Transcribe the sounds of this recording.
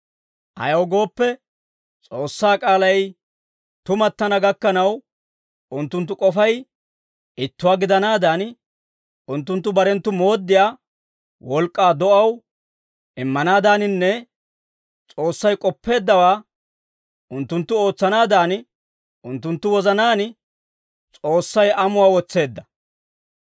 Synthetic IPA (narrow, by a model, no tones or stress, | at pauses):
ʔɐ̰jɐwɡo̞ːpːɛ | t͡sʼo̞ːsːaːkʼaːlɐj | t̪ʊmɐt̪ːɐnɐɡɐkːɐnɐw | ʊnt̪ːʊnt̪̬ːʊkʼɔfɐj | ɪt̪ːʊwaːɡɪd̪ɐnaːd̪aːn | ʊnt̪ːʊnt̪ːʊbɐɾɛnt̪ːʊmo̞ːd̪ːɪjaː | wɔlkʼːaːd̪ɔʔɐw | ʔɪmːɐnaːd̪aːnɪnːɛ | t͡sʼo̞ːsːɐjkʼɔpːe̞ːd̪ːɐwaː | ʔʊnt̪ːʊnt̪ːʊo̞ːt͡sːɐnaːd̪aːn | ʊnt̪ːʊnt̪ːʊwɔzɐnaːn | t͡sʼo̞ːsːɐjʔɐmʊwaːwɔt͡sːe̞ːd̪ːɐ